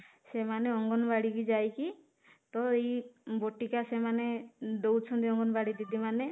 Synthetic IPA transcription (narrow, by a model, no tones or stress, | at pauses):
semaneɔŋɡɔnbaɽikid͡ʒajki | t̪ɔejboʈikasemaned̪owt͡ʃʰɔnd̪iɔŋɡɔnbaɽid̪id̪imane